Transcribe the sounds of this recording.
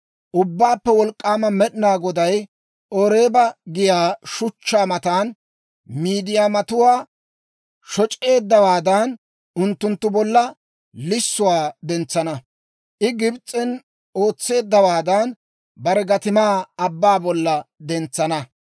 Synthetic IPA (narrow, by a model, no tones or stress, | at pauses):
ʔʊbːaːpːɛwɔlkʼːaːmɐmɛɗɪnaːɡɔd̪ɐj | ʔɔɾe̞ːbɐɡɪjaːʃʊt͡ʃːaːmɐt̪aːn | miːd̪ɪjaːmɐt̪ʊwaː | ʃɔt͡ʃʼe̞ːd̪ːɐwaːd̪ɐn | ʔʊnt̪ːʊnt̪ːʊbɔlːɐ | lɪsːʊwaːd̪ɛnt͡sːɐnɐ | ʔɪɡɪbt͡sʼːɛn | o̞ːt͡sːe̞ːd̪ːɐwaːd̪ɐn | bɐɾɛɡɐt̪ɪmaːɐbːaːbɔlːɐd̪ɛnt͡sːɐnɐ